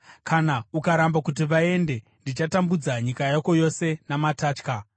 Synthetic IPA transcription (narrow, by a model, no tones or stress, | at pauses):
kʰanaukaɾambakut̬iʋae̞nde̞ | ndit͡ʃatambud͡zaɲikajako̞jo̞se̞namataːt͡ʃka